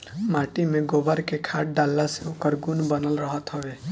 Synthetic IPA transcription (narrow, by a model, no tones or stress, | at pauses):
maʈimẽɡobaɾkekʰaʈ̚ɖalːaseukəɾɡunbənəlɾɔɦɔt̪ɦɔʋe